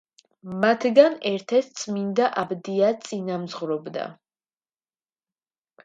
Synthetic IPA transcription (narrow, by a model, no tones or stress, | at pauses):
mat̪ʰɡanɛɾt̪ʰɛt̪̚ʰt̪sʼʰmind̪aʔabd̪iat̪sʼinamzʁvɾɔbd̪a̰